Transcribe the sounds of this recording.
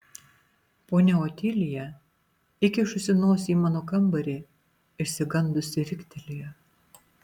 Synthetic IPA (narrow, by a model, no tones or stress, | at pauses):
poːnʲɛoːt̪ʲiːlʲɪjɛ | ɪkʲɪʃʊsʲɪnoːsʲiːmɑːnoːkɐmbɐɾʲe | ɪʃʲsʲɪɡɐnd̪ʊsʲɪɾʲɪkʲt̪ʲɛlʲɪjɛ